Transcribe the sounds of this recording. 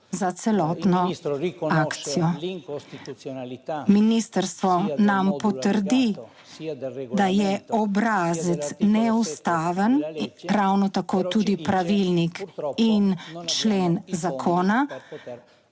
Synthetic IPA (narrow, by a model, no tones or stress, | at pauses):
zat̪sɛlɔːt̪nɔ | aːkt̪sijɔ | minist̪əɾst̪ʋɔnampɔt̪əɾd̪i | d̪ajɛɔbɾaːzət̪snɛust̪aːʋənɾawnɔt̪akoːt̪uːd̪ipɾaʋilnikint͡ʃleːnzakʰoːna